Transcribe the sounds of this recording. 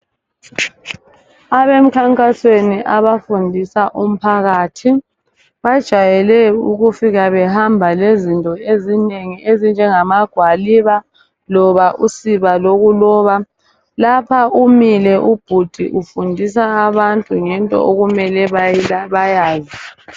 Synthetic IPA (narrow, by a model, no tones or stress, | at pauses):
aβem̩kʰaŋkʼasweniʔaβafundʱisaʔum̩pʰaɣaːtʰi | βad̥ʒ̥ʱajɛlɛṵɣufiɣaβɛhambʱalezintʼɔezineŋiʔezind͡ʒʱɛŋamaɡ̥ʱwaliβa | lɔβaʔusiβaloɣulɔβa | lapʰaumilɛʔub̥ʱud̥ʱiʔufundʱisaːβantʼuŋɛntʼɔ̰ʔoɣumɛlɛβaβajaːzi